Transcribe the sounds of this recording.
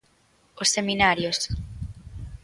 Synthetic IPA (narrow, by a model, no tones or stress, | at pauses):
osːeminaɾjos